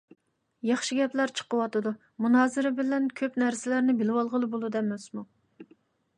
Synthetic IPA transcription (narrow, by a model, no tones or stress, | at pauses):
jɑχʃiɡʲɛplæɾt͡ʃʰə̥qəwɑt̪ɨd̪u | munɑːzɪɾɪbɪlɛnkʲʰøpnæɾsɪlæɾnɪbɪlɪwɑlˠʁəlˠɨbolˠud̪ɛmɛsmu